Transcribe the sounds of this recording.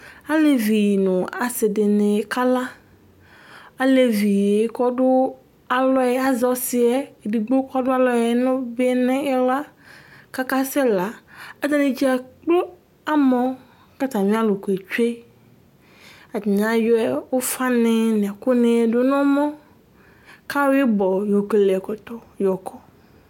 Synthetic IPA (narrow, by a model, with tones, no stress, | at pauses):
a˦le˦vi˨nʊ̃˨a˨se˨de˨nẽ˨ka˦la˦ | a˦le˨vi˨˦kɔ˦ɖʊ˦ | a˨lɔ˦e˦a˦zɔ˦si˦ɛ˦˨di˨ɡ͡bo˦kɔ˦ɖʊ˦a˦lɔ˦e˦nõ˦be˦nẽ˦ɛ˦la˦ka˦ka˦sɛ˦la˨a˦d̪ã˦nẽ˨d͡ʑi˦a˨k͡plo˦ | a˦mɔ̃˦ | ka˦t̪a˨mĩ˦a˦lo˨ko˨e˨t͡ʃe˦ | a˨d̪i˨nã˨˦jɔ˦ɛ˦wo˦fa˦nẽ˦nẽ˨ko˦nẽ˨˦˨do˦nɔ̃˦mɔ̃˦ | ka˦we˦bɔ˨jo˨ke˨le˨ɛ˨kɔ˨t̪ɔ˨jɔ˨kʰɔ˦